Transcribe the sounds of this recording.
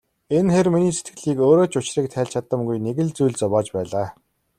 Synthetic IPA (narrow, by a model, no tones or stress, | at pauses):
enxerminiːset̪̚ɡɘ̆ɮiːkoːɾoːt͡ɕʰʊt͡ɕriːk̚t̪ʰæːɮt͡ɕʰat̪ə̆mɡujneɣɘ̆ɮt͡sujɮt͡sɔpɔːt͡ɕpæːɮaː